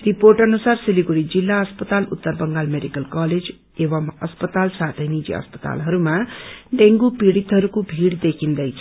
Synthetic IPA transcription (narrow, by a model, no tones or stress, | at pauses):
riporʈʌnusarsiliɡuɽid͡zilːaʌspʌt̪alṵt̪ːʌrbʌŋɡalmeɖikʌlkʌled͡z | ewʌmʌ̰spʌt̪alsat̪ʰʌjnid͡zḭʌ̰spʌ̥t̪a̰lɦʌɾumaɖeŋɡupiɽit̪ɦʌɾukobʱiɽd̪ekʰind̪ʌjt͡sʰ